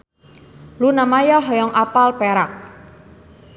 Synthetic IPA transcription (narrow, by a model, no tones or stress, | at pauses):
lunamajɔɦɔjɔŋʔapalpeɾak̚